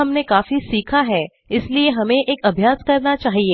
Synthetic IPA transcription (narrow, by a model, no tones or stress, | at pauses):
ɐmnekaːfisiːkʰaɦɛ | ɪslieɦɐmẽʔeːkɐbʱjaːskɐɾnat͡ʃaːɦieː